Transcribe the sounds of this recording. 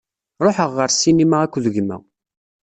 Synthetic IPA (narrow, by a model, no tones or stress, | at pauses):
ɾˤoħəʁːəɾsinimaʁækʷːðəʝmæ̰